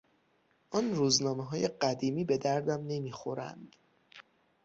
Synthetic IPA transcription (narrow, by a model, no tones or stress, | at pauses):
ʔɒːnruːznɒːmeɦɒːje̞ɢæd̪iːmiːbe̞d̪æɾd̪æmne̞miːxo̞ɾæ̰nd̪̥